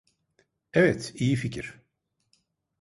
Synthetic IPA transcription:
ɛvɛt̪ʰijificʰiɾ̥

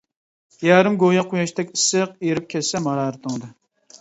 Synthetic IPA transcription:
jæːɾɪmɡojɑqujɑʃt̪ʰɛkʲisːɨq̚eɾɪp̚kʲʰɛsɛmɑɾɑːɾɨt̪ʰəŋd̪ɨ

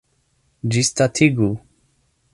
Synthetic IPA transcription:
d͡ʒist̪at̪ʰiɡu

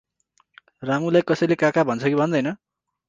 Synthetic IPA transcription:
raŋulajkʌsʌjlekakabʱʌnt͡sʰʌkibʱʌnd̪ʌjnʌ

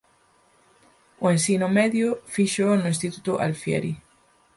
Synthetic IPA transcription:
oẽnsinomeðjofiʃonoĩnst̪it̪ut̪oʔa̰lfjḛɾi

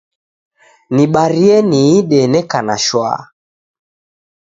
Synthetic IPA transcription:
niɓaɾiɛniiɗɛnɛkanaʃwa̰

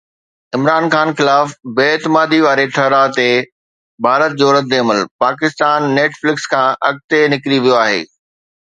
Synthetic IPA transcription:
ɪmɾaːnxaːnxɪlaːfbeːt̪ɪmaːd̪iʋaːɾeʈʰɐɾat̪e | bʱaːɾət̪̚d͡ʑoːɾət̪̚d̪eːɐməlpaːkɪst̪aːnːeːʈflɪkskʰãːʔɐɡ̚t̪enɪkɾiʋijoaːɦḛː

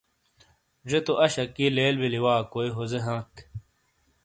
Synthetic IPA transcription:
d͡ʑet̪oʔɐɕɐkːileːlbiliwaːkoːiɦozeɦãːk

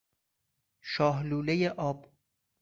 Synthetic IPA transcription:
ʃɒːɦluːlejeʔɒːb̥

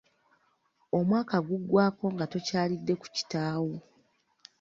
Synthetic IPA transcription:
o̞mwaːkaɡuɡːwaːko̞ŋɡato̞caːlidːe̞ku̥ci̥taːwo

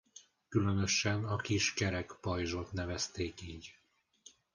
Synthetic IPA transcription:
kylø̞nø̞ʃɛnɒkiʃkɛɾɛkpɒjʒot̪nɛvɛst̪eːkiːɟ

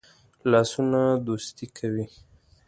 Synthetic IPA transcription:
lɑsunad̪ost̪ikʰawi

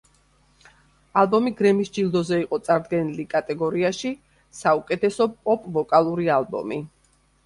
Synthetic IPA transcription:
alˠbɔmiɡɾɛmisd͡ʒilˠd̪ɔzɛiqʼɔt̪sʼaɾd̪ɡɛnilikʼat̪ʼɛɡɔɾiaʃi | saukʼɛt̪ʰɛsɔpʼɔpʼvɔkʼalˠuɾialˠbɔ̰mi

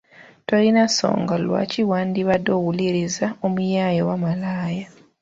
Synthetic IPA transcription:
to̞linaso̰ːŋɡalwa̰ciwaːndiβado̞wuliɾizaomujaːjowamalaːja

